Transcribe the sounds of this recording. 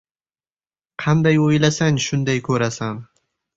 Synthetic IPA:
qʰɑnd̪ajojlasaŋʃʊnd̪ajkʰɵɾasan

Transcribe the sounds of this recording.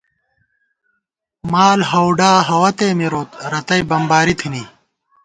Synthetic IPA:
maːlɦɐwɖaːɦɐwɐt̪eːmiɾoːt̪ɾɐt̪ɐjbɐmbaːɾit̪ʰiniː

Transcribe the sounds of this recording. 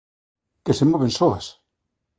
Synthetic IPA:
kesemoβensoas

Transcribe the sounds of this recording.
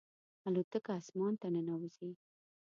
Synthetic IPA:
alot̪əkaːsmɑnt̪anənawzi

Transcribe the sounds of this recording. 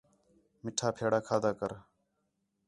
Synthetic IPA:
mɪʈʰaːpʰeːɽaːkʰaːd̪aːkəɾ

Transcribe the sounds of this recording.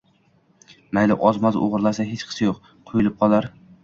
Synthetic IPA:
majlɪʔɒzmazo̰ʁɨɾlasaɦet͡ʃqʰɨ̥sajoq | qʰʊjɪlˠɪp̚qʰɒlˠaɾ

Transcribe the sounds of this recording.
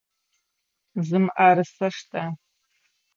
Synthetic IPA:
zɨmʔaɾɨsɐʂtʰʼa

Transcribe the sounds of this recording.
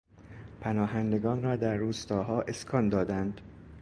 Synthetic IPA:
pʰænɒːɦænd̪e̞ɡɒːnrɒːd̪æɾːuːst̪ɒːɦɒːʔe̞skʰɒːnd̪ɒːd̪ænd̪

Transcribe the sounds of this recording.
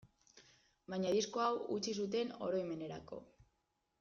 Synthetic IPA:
baɲaðisko̞awut͡ʃis̬ut̪̬e̞no̞̰ɾo̞ime̞ne̞ɾa̰ko̞̰

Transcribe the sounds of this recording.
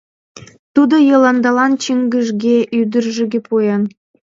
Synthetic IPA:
t̪ud̪ŏjɤ̆lɑnd̪ɑlɑnt͡ɕiŋɡɘ̆ʒɡʲeʔyd̪ə̆rʒɘ̆ɡʲĕpujɑn

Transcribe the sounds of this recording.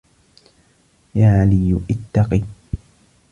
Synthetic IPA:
jaːʕalɪjːʊʔɪt̪ːɑqiː

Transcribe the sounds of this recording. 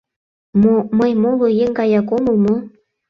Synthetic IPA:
moməjmolˠojeŋkɑjɑkomomo

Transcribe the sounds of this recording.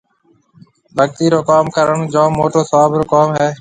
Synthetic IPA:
bʱək̚t̪iːɾoːkaːmkəɾəɳd͡ʒõːmoːʈoːsəʋaːbɾoːkaːmɦɛː

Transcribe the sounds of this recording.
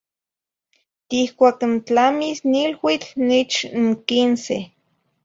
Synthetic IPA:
t̪ihkʷaːknt͡ɬamisnilwit͡ɬnit͡ʃŋkinse

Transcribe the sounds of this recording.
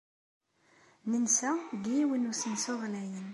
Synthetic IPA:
nənsæɡijiwinusənsʊʁlæjən

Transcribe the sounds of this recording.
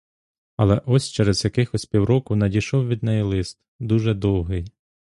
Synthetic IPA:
ɐlˠɛʔɔsʲt͡ʃɛɾez̥jɐkɪxɔsʲpʲiwɾɔkʊnɐdʲiʃɔwʋʲid̪̚nɛjilˠɪst̪̚ | d̪uʒɛd̪ɔwɦɪj

